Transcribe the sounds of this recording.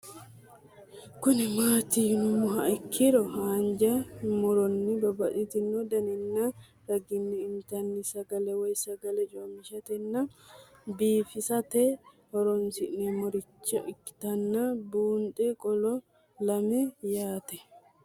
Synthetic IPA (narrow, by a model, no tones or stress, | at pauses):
kʊnɪmaːt̪inmːʊɦɐɪkʰːɪɾɔhaːnd͡ʒɐmɔɾɔnːɪbɐbɐʔʼɪt̪ɪnːod̪ɐnɛnːɐ | ɾɐɡɪnːɪːnt̪ɐnːɪsɐɡɐlɛwɔjsɐɡɐlɛt͡ʃʼomɪʃɐt̪ɛnːɐ | biːfɪsɐt̪ɛ | hɔɾɔnsɪʔnɛmɔɾɪt͡ʃːɐʔɪkːɪ̥t̪ɐnːɐbuːnt̪ʼɛkʼɔlɔ | lɐmɛjaːt̪ɛ